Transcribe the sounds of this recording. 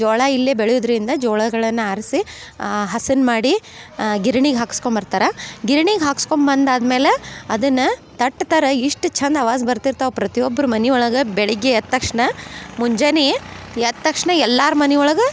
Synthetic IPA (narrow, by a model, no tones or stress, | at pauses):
d͡ʒɔːɭɐilːebeɭjud̪ɐɾind̪ɐd͡ʒɔːɭɐɡɐɭɐnːɐaːɾsi | ɦɐsɐnmaːɽi | ɡiɾɐɳiɡɦaːku̥skombɐɾt̪aːɾɐɡiɾɐɳiɡɦaːksko̞mbɐnd̪aːd̪meːleɐd̪ɐnːɐt̪ɐʈːt̪ɐɾɐiʂʈt͡ʃʰɐnd̪ɐʋaːzbɐɾt̪iɾt̪aːʋpɾɐt̪ijɔbːɐɾumɐniɔɭɐɡɐbɛɭiɡːeɐt̪ːɐkʂɳɐmuɲd͡ʒɐneɐt̪ːɐkʂɳɐɛlːaːɾmɐniɔɭɐɡɐ